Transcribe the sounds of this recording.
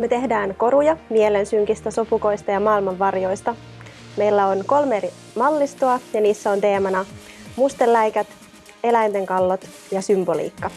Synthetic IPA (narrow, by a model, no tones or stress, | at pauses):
met̪e̞ɦdæːŋko̞ɾujɑmielensyŋk̟ist̪æso̞puko̞ijst̪ɑjɑmɑːilmɑʋːɑrjo̞jst̪ɑ | me̞jlːæo̞nko̞lmeri | mɑlːist̪oɑjɑniːsːæo̞nt̪e̞ːmɑnɑ | must̪elːæjkæt̪ | e̞læjnt̪e̞ŋkɑlːot̪ | jɑsymbo̞lḭːkːɑ